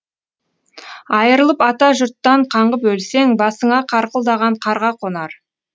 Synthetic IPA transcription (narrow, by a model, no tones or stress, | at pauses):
ɑjəɾəlˠəpɑt̪ɑʒʊɾt̪ːɑɴqʰɑɴʁəpɵlseŋbɑsəɴɑqʰɑɾqəlˠd̪ɑʁɑɴqʰɑɾʁɑqʰonɑɾ